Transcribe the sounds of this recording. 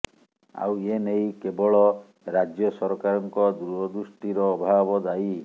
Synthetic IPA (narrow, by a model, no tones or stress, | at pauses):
a̰wenejkebɔɭɔ | ɾad͡ʒjɔsɔɾɔkaɾɔŋkɔd̪ɾuɔd̪uʃʈiɾɔːbʱabɔd̪aj